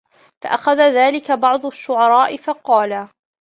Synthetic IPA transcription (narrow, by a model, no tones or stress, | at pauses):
fa̰ʔaxaðaðaːlɪkabɑʕd̪ˤʊʃːʊʕɑɾˤɑːʔɪfɑqɑːla